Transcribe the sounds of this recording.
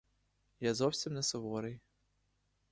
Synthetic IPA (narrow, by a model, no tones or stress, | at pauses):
jazɔwsʲimnɛsɔʋɔɾɪj